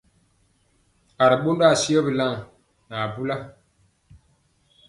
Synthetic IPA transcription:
a˨ɾi˨ɓo˦nda˦˨si˦ɔ˦bi˨la˦ŋ | na˨bu˦la˦

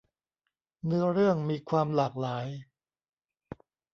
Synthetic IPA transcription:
nɯ˦˥ɐɾɯ˥˩əŋmiː˧kʰwaː˧mlaː˨˩k̚laː˩˦j

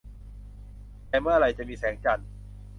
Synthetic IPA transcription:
tɛː˧mɯ˥˩ɐɾa˧jt͡ɕa˨miː˧sɛː˩˦ŋt͡ɕa˧n

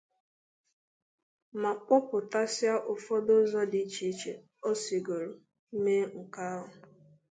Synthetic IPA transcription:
ma˨k͡pʊ˦pʊ˨ta˦sja˦ʔʊ˨fɔ˦dʊ˦zɔ˦di˦t͡ʃi˦t͡ʃe˨ | o˦si˨ɡo˨ɾo˨˦ | me˦ŋ̩˨ka˦ɦʊ˨

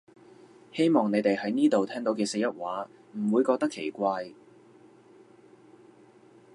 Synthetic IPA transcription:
he˥jmɔː˨˩ŋne˨˧jt̪e˨jhɐ˨˥jniː˥t̪o˨wt̪ʰɛː˥ŋt̪o˨˥wkɛː˧se˧jɐ˥t̚waː˨˥ | m̩˨˩wuː˨˧jkɔː˧k̪̚ɐ˥kʰːe˨˩jkʷaː˧j

